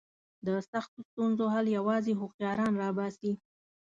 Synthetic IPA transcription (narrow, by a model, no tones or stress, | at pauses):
d̪əsaxt̪ost̪unzoɦaljawɑzeɦʊxjɑɾɑnɾɑbɑsi